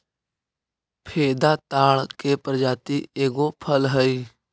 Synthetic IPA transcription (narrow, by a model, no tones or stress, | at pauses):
pʰeːd̪at̪aːɭkepɾəd͡ʒaːt̪ieːɡopʰəlɦəi